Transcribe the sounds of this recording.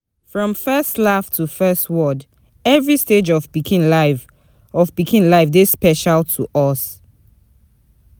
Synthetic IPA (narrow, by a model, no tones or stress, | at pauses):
fɹɔ̃mfɜstlaftʰufɜstwɔd | ɛvɹisted͡ʒɔvbikĩna | ɔvbikʰĩnlaɪfdespɛʃalˠtʰuʔɔs